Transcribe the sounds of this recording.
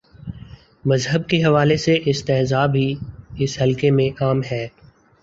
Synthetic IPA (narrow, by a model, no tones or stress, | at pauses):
mɐzɦəb̚keɦɐʋaːleseʔɪst̪ɛːɦzaːbʱiɪsɦɐlkemẽʔaːmɦɛː